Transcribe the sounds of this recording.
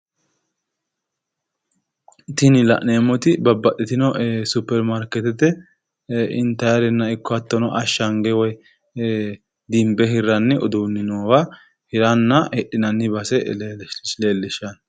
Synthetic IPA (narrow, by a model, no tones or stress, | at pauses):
t̪ɪnɪlɐ̰ʔneːmːɔt̪ɪbɐbːɐtʼːɛt̪ɪnɔʔsʊpːɛɾmaɾkɛt̪ɛt̪ɛ | ɪnt̪ɐjɐɾɛnːɐɪkːɔɐt̪ːɔnɔʔɐʃːɐŋɡɛwɔj | d̪ɪmbɛɦɪɾːɐnːɛɔd̪uːnːɪnoːwa | hɪɾɐnːɐɛɗːɪnɐnːɪbɐsɛ | leːlːɪʃɐn